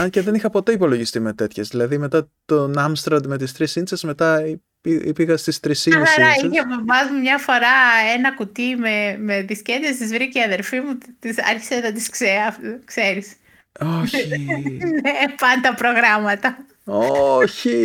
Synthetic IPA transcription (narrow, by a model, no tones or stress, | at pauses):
ɐnceðe̞nixɐpo̞t̪eipo̞loʝist̪imet̪e̞t̪çezðilɐðime̞t̪ɐt̪onɐmst̪ɾɐnd̪me̞t̪ist̪ɾisinsezme̞t̪ɐi | iipiɣɐst̪ist̪ɾisinɐɾɐiçevovɐzmumɲɐfo̞ɾɐenɐkut̪imemeðiscend̪est̪izvɾiceiɐðe̞lfimut̪isɐɾçi̥senɐt̪iskseɐkse̞ɾis | oçinepɐnt̪ɐpɾo̞ɣɾɐmɐt̪ɐ | oçi